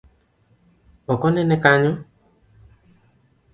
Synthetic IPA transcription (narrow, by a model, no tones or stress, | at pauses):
ɔkɔnɛnɛkaɲũ